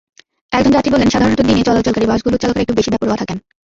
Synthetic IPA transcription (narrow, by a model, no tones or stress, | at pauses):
ɛkd̪ʱond͡ʑat̪ibolːenʃad̪ʱaɾont̪od̪inet͡ɕɔlat̪̚t͡ɕolkaɾibaʃɡulut̪t͡ɕalokeɾek̚ʈubeʃibɛpoɾkɔt̪ʰakɛn